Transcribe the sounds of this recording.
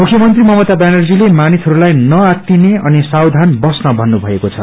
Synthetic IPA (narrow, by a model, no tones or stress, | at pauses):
mukʰːjʌmʌnt̪rimʌmʌt̪abanʌrd͡zilemanisʰɦʌɾulajnʌak̪ineʌnisawd̪ʱanbʌsnʌbʱʌnːubʱʌekot͡sʰʌ̰